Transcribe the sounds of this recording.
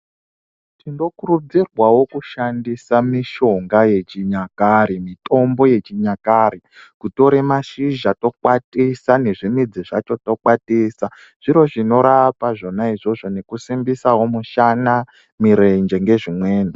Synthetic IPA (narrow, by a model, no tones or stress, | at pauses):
tindo̞kurud͡zirwawo̞kuʃandisamiʃo̞ŋɡaje̞t͡ʃiɲakaɾimito̞mbo̞je̞t͡ʃiɲakaɾi | kuto̞ɾemaʃiʒato̞kwatisane̞ʐimid͡ziʐa̰t͡ʃo̞to̞kwatiːsa | ʐ̥iɾo̞ʐino̞ɾapaʐo̞naiʐo̞ʐo̞ne̞kusimbisawo̞muʃana | miɾe̞nd͡ʒe̞ŋɡe̞ʐimwe̞ːni